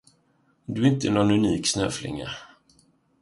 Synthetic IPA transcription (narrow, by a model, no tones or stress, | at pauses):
d̪ɵɪnt̪əɛnɔnɵniːksnø̰ːflɪ̰ŋːa̰